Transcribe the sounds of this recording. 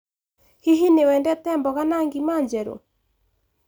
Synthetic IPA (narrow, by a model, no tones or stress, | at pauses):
hiɦinewɛndɛtɛmbɔɣanaŋɡimaɲd͡ʒɛɾo̰